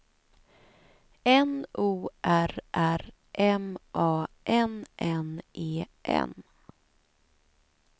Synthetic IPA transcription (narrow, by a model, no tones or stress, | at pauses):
ɛnʔuːʔæɾʔæɾ | ʔɛmʔɑːʔɛnʔɛnʔeːʔɛ̰n